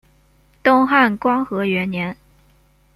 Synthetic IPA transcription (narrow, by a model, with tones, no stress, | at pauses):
t̪ʊ˥ŋxa˥˩nkwɑ˥ŋxɤ˧˥ɥɛ˧˥nnjɛ˧˥n